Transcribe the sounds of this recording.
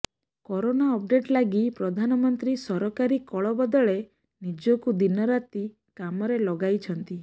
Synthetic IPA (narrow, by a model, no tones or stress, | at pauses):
kɔɾonaɔp̚ɖeʈlaɡipɾɔd̪ʱanɔmɔnt̪ɾisɔɾɔkaɾikɔɭɔbɔd̪ɔɭe | nid͡ʒɔkud̪inɔɾat̪i | kamɔɾelɔɡajt͡ʃʰɔnt̪i